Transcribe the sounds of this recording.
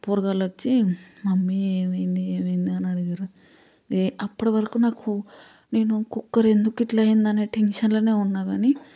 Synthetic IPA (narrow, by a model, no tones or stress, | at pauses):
puːɾɐɡaːlʋɐt͡ʃːimɐmːieːmɐjind̪ieːmɐjind̪iɐnɐɽiɡaːɾu | eʔɐpːɐɽɐʋɐɾɐkuːnaːku | ne̞ːnukukːɐɾe̞nd̪ukiʈlɐjind̪ɐneːʈe̞nʂɐnlo̞ːne̞ːunːaːɡaːni